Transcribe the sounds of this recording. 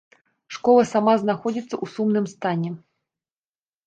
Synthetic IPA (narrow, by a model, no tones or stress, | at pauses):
ʂkɔlˠɐsamaznaxɔd͡zʲit̪sːɐʔusumnɨmst̪anʲɛ